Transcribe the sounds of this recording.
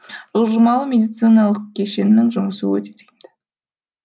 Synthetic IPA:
ʒoʒəmɑlˠəmʲe̞d̪ijt̪sɨjnɑlˠəq̚kʲʰeʃe̞nːɪŋʒʊməsəwɵ̰t̪e̥t̪e̥md̪ɪ̥

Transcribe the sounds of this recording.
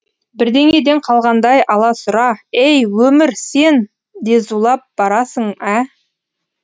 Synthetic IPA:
bɪɾd̪e̞ŋe̞d̪e̞ɴqʰɑlˠʁɑnd̪ɑjʔɑlˠɑsʊɾɑejwɵmɪɾse̞n | d̪e̞zulˠɑp̚b̥ɑɾɑsəɴæ

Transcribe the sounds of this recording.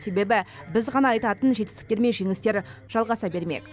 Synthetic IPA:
se̞be̞bɪbɪzʁɑnɑːjt̪ɑt̪ənʒe̞t̪ɪ̥st̪ɪ̥kt̪eɾme̞nʒe̞ŋɪst̪e̞ɾʒ̥ɑlˠʁɑsɑbe̞ɾme̞̰k

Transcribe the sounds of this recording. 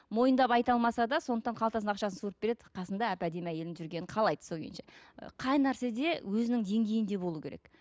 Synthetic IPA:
mo̞jənd̪ɑpɑjt̪ɑlˠmɑsɑd̪ɑsond̪əqt̪ɑɴqʰɑlˠt̪ɑs̬ənɑqʃɑsənsuɾəp̚b̥e̞ɾe̞d̪ɪqʰɑsənd̪ɑæpæd̪e̞mæje̞lɪnʒʏɾɡʲe̞nɪɴqʰɑlˠɑjd̪̥ə̥soɡʲḛnʃeə̰qʰɑjnæɾse̞d̪e̞wɵzɪnɪŋd̪e̞ŋɡʲe̞jɪnd̪e̞bo̞lˠukʲeɾḛk

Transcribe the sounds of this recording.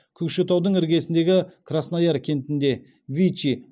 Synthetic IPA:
kʲʰʏkʃɪt̪ʰɑwd̪əɴɪɾɡʲe̞sɪnd̪e̞ɡʲɪkʰrasnɑjɑɾkʲʰe̞nt̪ɪnd̪e̞ | vʲit͡ʃi

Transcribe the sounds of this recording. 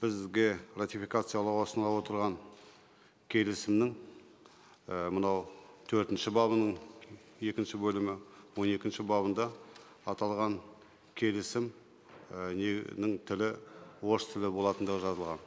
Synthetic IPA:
b̥ɪzɡʲe̞rat̪ijfijkat̪sɨjalˠəqwo̞sənlˠɑwo̞t̪əɾʁɑŋ | kʲʰe̞lɪsɪmnɪŋ | əmənɑwt̪ʰɵɾt̪ɪnʃɪbɑβənəɴ | e̞kʲɪnʃɪbɵlɪmɪwo̞ne̞kʲɪnʃɪbɑβənd̪ɑ | ɑt̪ɑlˠʁɑŋ | kʲʰe̞lɪsɪm | nenɪŋt̪ʰɪlɪwost̪ʰɪlɪbo̞lˠɑt̪ənd̪əʁəʒɑzəlˠʁɑn

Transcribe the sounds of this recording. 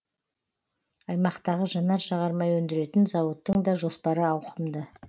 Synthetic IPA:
ɑjmɑqt̪ɑʁəʒɑnɑɾʃɑʁɑɾmɑjwɵnd̪ɪɾe̞t̪ɪnzɑwot̪ːəɴd̪ɑʒo̞spɑɾəɑwqʰəmd̪ə

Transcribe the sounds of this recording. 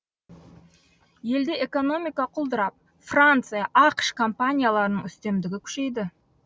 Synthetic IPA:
je̞ld̪e̞ʔe̞ko̞no̞mijkɑqʰʊlˠd̪əɾɑp̚ | frant̪sɨjaʔɑqʃkʰo̞mpanʲijalˠɑɾənəɴʏst̪e̞md̪ɪɡʲɪkʲʰʏ̥ʃe̞jd̪ɪ

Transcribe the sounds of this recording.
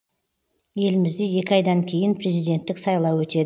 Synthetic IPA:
je̞lɪmɪzd̪eje̞kʲɪɑjd̪ɑŋkʲʰe̞jɪnpʰre̞zijd̪e̞nt̪ːɪksɑjlˠɑwɵt̪e̞d̪ɪ

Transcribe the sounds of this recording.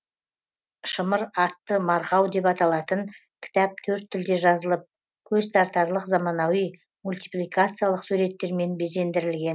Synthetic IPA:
ʃəməɾɑt̪ːəmɑɾʁɑwd̪e̞pɑt̪ɑlˠɑt̪ən | kʲʰɪ̥t̪ɑp̚t̪ʰɵɾt̪ʰːʏld̪e̞ʒɑzəlˠəp̚ | kʲʰɵzt̪ʰɑɾt̪ɑɾlˠəqzɑmɑnɑwij | mulʲt̪i̥plijkat̪sɨjalˠəqsʉɾe̞t̪ːe̞ɾme̞nbe̞ze̞nd̪ɪɾɪlɡʲe̞n

